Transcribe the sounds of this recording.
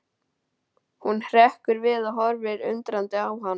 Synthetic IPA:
hunhr̥ɛhkʏɾvɪðaɦɔɾvɪɾʏ̰nt̪ɾant̪ɪawɦa

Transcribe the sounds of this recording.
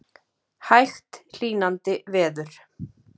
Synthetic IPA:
hajxt̪l̥iːnant̪ɪvɛːðʏɾ̥

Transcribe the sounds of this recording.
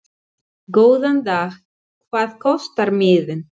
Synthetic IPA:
koːwðant̪aːx | kʰvaːðkʰɔst̪aɾmɪːðʏn

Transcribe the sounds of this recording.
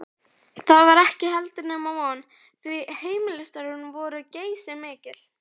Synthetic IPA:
θaðvaɾɛhcɪɦɛlt̪ɪnamaɔnː | θviheːjmɪlʏst̪aɾʏnvɔːɾʏceːjsɪmɪːcɪl̥

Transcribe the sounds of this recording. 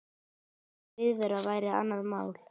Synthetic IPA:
vɪðvɛɾavaːjɾɪa̰nːaðmaːwl̥

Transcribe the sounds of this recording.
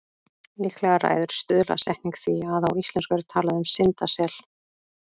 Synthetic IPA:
lihklɛɣara̰ːjðʏɾ̥st̪ʏðla̰sɛhniŋkθviaðawislɛnskʏvɛɾʏ̥t̪ʰaːlaðɪʏmsɪnt̪asɛl̥

